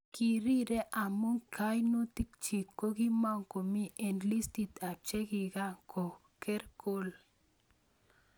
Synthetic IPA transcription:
ki˨ɾi˦ɾɛ˦ʔa˨mu˦ŋka˦jnu˦t̪i˦k̚t͡ʃi˨ko˦ɡi˦ma˦ŋko˨mi˦ʔe˨nli˦st̪i˨t̪a˨t͡ʃe˦ɡi˨ɡa˦kʰɔ˨ | kɛ˦ɾko˦l

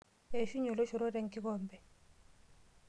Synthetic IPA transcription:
e˨ʃu˦ɲɔ˨lɔ˦ʃɔ˨ɾɔ˦ɾɛ˨ŋkʼi˦kɔː˨mbɛ˨

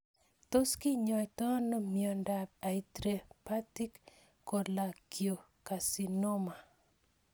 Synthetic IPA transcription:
to˦ski˦ɲɔ˨jtɔ˦nɔ˦mjo˨nda˨b̚a˨i˨tɾe˨pa˦ti˦k | kɔ˨la˨ki˨o˨ | ka˨si˨nɔ˦ma˨

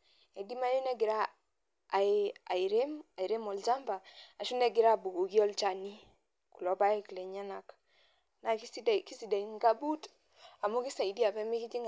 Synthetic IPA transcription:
ɛ˨di˦ma˦ju˦nɛ˦ɡi˨ɾa˦˨ | a˨i˨ɾe˦ma˨i˨ɾe˦mɔ˨ld͡ʒa˦mbaː˨ʃu˦nɛ˦ɡi˨ɾa˦bu˨ɡo˨ki˦ɔ˦lt͡ʃa˨ni˦ | ku˨lɔ˨ba˦i˦klɛ˨ɲa˦na˨k | na˨ki˦si˦dɛ˨ki˦si˨da˨i˨ŋɡa˦bu˦t | a˨mu˦ki˦sa˨i˨di˦a˨pɛ˦mi˦ki˦d͡ʒi˦ŋ

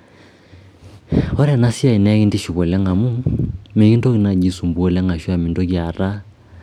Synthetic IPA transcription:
ɔ˦ɾa˨na˦si˦a˦˨i˨nɛ˦ɣi˦ndi˦ʃu˨βɔ˨lɛ˦ŋa˨mu˦me˨ki˦ndo˦ki˨na˨ɡi˨su˨mbu˨ɔ˨lɛ˦ŋa˨ʃwa˨mi˨ndo˦kja˨ɾa˦

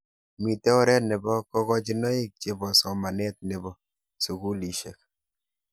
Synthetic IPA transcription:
mi˨tɛ˦ɔ˦ɾɛ˦nɛ˨bɔ˦kɔ˦kɔ˦t͡ʃi˦nɔ˦i˦k̚t͡ʃe˨bɔ˨sɔ˨ma˨nɛ˦t̚ne˨bɔ˦ | su˨ku˦li˨ʃe˨k̚

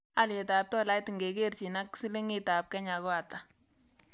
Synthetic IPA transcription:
a˨lje˨ta˨p̚tɔ˦la˦tŋɡe˨ke˦rt͡ʃi˨na˦ksi˦le˦ŋɪ˦ta˨p̚kɛ˦ɲa˨kɔ˦a˨ta˨

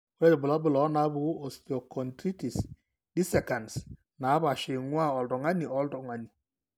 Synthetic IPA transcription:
ɛ˦di˨bʊ˨lɔ˦bʊ˨lɔ˨˦na˨˦bu˨˦o˨sto˨kɔ˨ntɾi˦ti˨s | di˦sɛ˨ka˨ns | na˨˦βa˨ʃe˨ŋwa˦ɔ˨ldɔ˨ŋa˦ni˨ɔ˨˦ldɔ˨ŋa˨ni˨

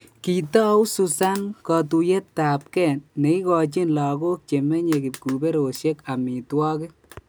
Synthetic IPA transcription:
ki˨tɔ˦u˦su˨sa˦nkɔ˨t̬u˨je˦tːa˨p̚kɛ˨nːe˨i˦kɔ˨t͡ʃi˦nlɔ˨ɡo˦k̚t͡ʃe˨mɛ˦ɲe˨ki˨p̚ku˨be˦ɾo˨ʃe˦ka˨mi˨twɔ˦kɪ˦

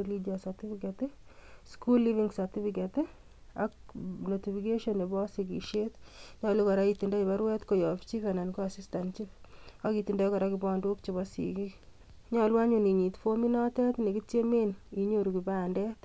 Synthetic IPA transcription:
lid͡ʒasati˦fikatɪskulːi˦viŋsaɾti˦fikatɪ | ak̚noti˨fike˦ʃɔne˨bɔ˦sikḭ˨ʃet̪ɲɔlu˦kɔ˨ɾait̪i˨ndai˨ba˦ɾwɛ˦t̪kojɔ˨ft͡ʃi˦fɛna˨nkoa˨sistant͡ʃifa˦ki˨ti˨nda˦kɔ˨ɾakɪbɔ˦ndʊ˦kt͡ʃɪβɔsḭki˦ | ɲɔ˦lwa˦ɲʊ˨ni˨ɲi˨tfomi˦nɔtɛ˦t̪ne˨ki˦tje˦meni˨ɲoɾu˨ki˨bandɛ˦t̪

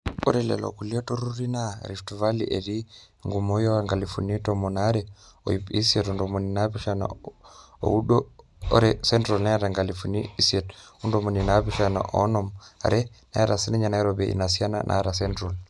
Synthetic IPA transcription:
o̰ɾɛlɛ̰˨lo̰˨kuli˦o˦to˦ɾu˦ɾi˦naɾi˨ftuva˦lḭ˨ʔe˨ɾi˦ | ŋɡumo˦jo˦aŋɡa˨lifṵ˨ni˦tomonaɾɛo̰˨jipi˦sietundomoni˨napi˦ʃana̰ | o̰u˦ɗo̰ː˦ | ɾɛsɛ˦ntɾolna˦a˦ɾa˨ŋɡa˨lifuni˦i˦siɛtu˦ndomo˨ni˨napiʃana̰ʔo̰˦nɔma̰˨ɾɛ˦na˦aɾa˨si˦nɛ˦ɲa˨na˦ɾobeʔḭ˨na˨si˦a˦na̰nʔa̰ɾasɛ˦ntɾol

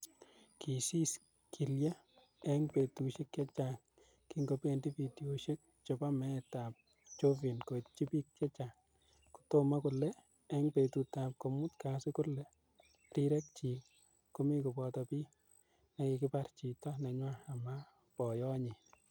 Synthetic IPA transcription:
kʰi˨si˦s | kʰi˨lja˦ | ɛ˦ŋpe˨tu˨ʃe˦kjɛ˦t͡ʃa˨ŋ | ki˦ŋɡo˨pe˦ndi˦pi˨di˨o˨ʃe˦k̚ | t͡ʃɔ˨pa˦mɛ˦ta˨p̚ | t͡ʃo˦vi˨nko˨t͡ʃi˦pi˦k̚t͡ʃɛ˦t͡ʃa˨ŋ | kʊ̥to˦ma˦kʊ˨lːɛ˦ | ɛ˦ŋpe˨tu˨ta˨p̚ko˨mu˦tka˨sɪ˦kʊ˦lːɛ˦ | ɾi˦ɾɛ˦k̚t͡ʃi˨ | kʊ˦mi˦kʊ˨pɔ˨tɔpi˦ | na˨kɪ˨kɪ˦pa˦rt͡ʃi˨tɔ˦nɛ˨ɲwa˦a˨ma˦ | pɔ˨jɔ˦ɲɪ˨

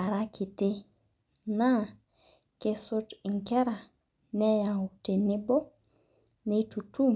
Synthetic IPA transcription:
a˨ɾa˦kʰi˨te˦ | na˦ | ke˨so˦ti˨ŋkɛ˦ɾa˨ | nɛ˦ja˨u˨te˨ne˦bo˦ | ne˨˦tu˨tu˦m

